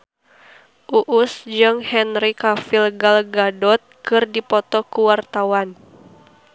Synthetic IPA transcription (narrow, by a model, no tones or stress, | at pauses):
ʔuʔusd͡ʒɨŋhɛnɾikafilɡalɡadɔt̪̚kɨrdipɔt̪ɔkuwart̪awan